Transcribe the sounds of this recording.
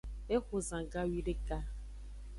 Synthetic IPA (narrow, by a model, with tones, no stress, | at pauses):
e˦kʷʊ˨zã˨ɡa˦wi˦ɖe˦ka˦